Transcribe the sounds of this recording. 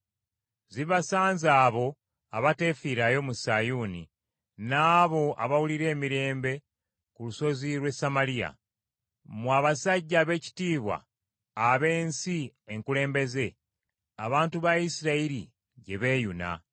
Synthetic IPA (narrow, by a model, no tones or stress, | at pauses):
ziβasaːnzaːβo̞ | aβate̞fiɾajo̞musajuːni | naːβo̞a̰βawuliɾe̞ːmiɾe̞ːmbe̞ | kuluso̞ziɾwe̞samalija̰ | mwaβasaɟːaːβe̞ːci̥tiːβwa̰ː | βe̞ːnsieŋkule̞ːmbe̞ze̞ | aβaːntuβaisiɾaiɾi | ɟe̞βe̞ːjuna̰